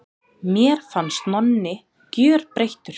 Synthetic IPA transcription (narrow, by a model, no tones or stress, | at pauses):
mjɛːɾ̥fanst̪nɔnːɪ | cjœːɾpɾejht̪ʏɾ̥